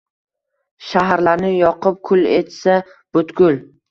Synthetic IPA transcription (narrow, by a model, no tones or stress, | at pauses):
ʃaɦaɾlaɾnɪjɒqʰɨp̚kʰʊlḛt̪sa | b̥ʊt̪ɡʲʊl